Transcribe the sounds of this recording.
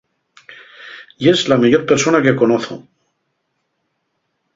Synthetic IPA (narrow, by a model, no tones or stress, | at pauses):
je̞zlameʝo̞ɾpe̞ɾso̞nake̞ko̞noθo̰